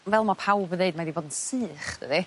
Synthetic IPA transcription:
vɛlˠmapʰawbəðeɨd̚madiboːdn̩sɨːχd̥ə̰di

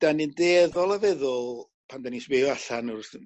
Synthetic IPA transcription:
d̥anindeːðɔlˠavɛðʊlˠ | pʰandanisweɔaɬanɔr

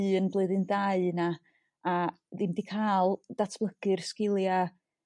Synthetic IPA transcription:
ɨənblˠɨðɨndaɨnaː | ðɪmdikʰaːlˠd̥atʰblˠəɡ̥ɨrskɪlˠja

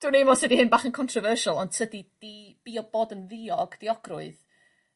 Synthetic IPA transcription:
d̥wunejmɔsedihɪnbaːχənkʰɔntʰrɔvərʃalˠɔntʰədid̥ib̥iɔboːdənviɔɡd̥iɔɡrʊɨð

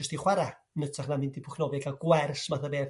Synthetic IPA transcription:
ʊstiχwaɾa | nətʰaχnamɪndipʰʊkʰnɔvɛɡaɡ̥wɛrsmaθabeː

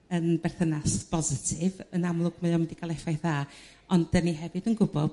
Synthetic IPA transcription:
ənbɛrθənasb̥ɔzɪtʰɪvənamlˠʊɡ̥̚məɔmɪndiɡalˠɛfajθaː | ɔn̥əniɦɛvɨdənɡʊbɔb̥

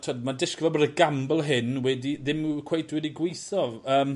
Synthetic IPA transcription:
tʰodmandɪskəvɛlˠbɔdəɡambəlˠɦɪnwɛdiðɪmukʰw̥ejtʰwɛdiɡwejθɔvəːm

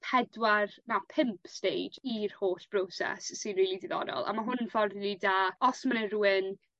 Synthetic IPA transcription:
pʰɛdwarnapʰɪmpʰstejd͡ʒirhoːɬb̥rowsɛ̰sːɨnriːlˠidɪðɔ̰dɔ̰lˠa̰maɦʊnvɔrðnidaɔsmanəruɨn

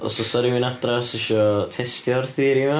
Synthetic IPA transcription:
ɔ̰sɔsɔɾiwinadrasɪʃɔtʰɛstjɔrθiːɾima

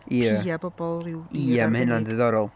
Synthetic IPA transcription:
iabɔbɔlˠrɪwiɛmhɪnandɪðɔɾɔlˠ

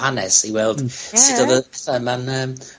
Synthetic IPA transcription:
anɛsiwɛlˠd̥sidoɔðəpʰɛθamanəːm

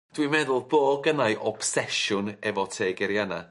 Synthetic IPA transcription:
d̥wimɛðʊlˠboːɡənajʔɔb̥sɛʃʊnɛvɔtʰeːɡɛɾjana

